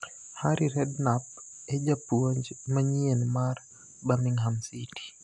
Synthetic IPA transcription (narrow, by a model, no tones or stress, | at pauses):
haɾiɾɛdnap̚ɛd͡ʒapuɔɲd͡ʒmaɲiɛnmaɾ | bamiŋɦamsiti̥